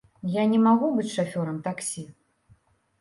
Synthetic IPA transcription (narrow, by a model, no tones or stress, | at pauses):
janʲɛmaɣubɨt͡sʲʂafʲɔɾɐmt̪aksʲi